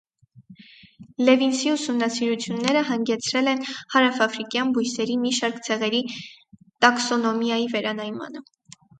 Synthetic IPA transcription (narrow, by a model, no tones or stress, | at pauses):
lɛvinsiusumnɑsiɾut͡sʰjunːɛɾəɦɑŋɡɛt͡sʰɾɛlɛnhɑɾɑfɑfɾikjɑnbujsɛɾimiʃɑɾkt͡sʰɛʁɛɾi | t̪ɑksɔnɔmjɑjivɛɾɑnɑjmɑ̰nə